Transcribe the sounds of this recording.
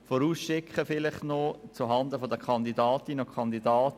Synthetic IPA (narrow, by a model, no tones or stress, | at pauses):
fɔɾuːsʃɪkχəfɪlɪχtnɔt͡suɦɑndəfɔdəkʰχɑndidɑːtinokʰɑnd̪idɑːt